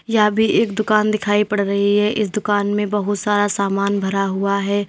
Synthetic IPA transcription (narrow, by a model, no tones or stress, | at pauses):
jabʱieːkd̪ʊkaːnd̪ɪkʰaːipɐɽɾɐɦiɦɛʔɪs̬d̪ʊkaːnmẽbɐɦʊt̪saːɾasaːmaːnbʱɐɾaɦʊaɦɛː